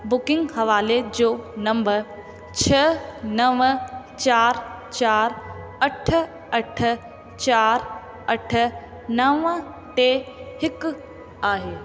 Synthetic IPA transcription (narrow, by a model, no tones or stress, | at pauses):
bʊkɪ̃ŋɡhɐʋaːled͡ʑoːnɐ̃mbəɾ | t͡ɕʰɐnɐʋ | t͡ɕaːɾ | t͡ɕaːɾɐʈʰ | ɐʈ̆ʰ | t͡ɕaːɾ | ɐʈʰə̆ | nɐʋ | ʈ̪eɦɪk | aːɦeː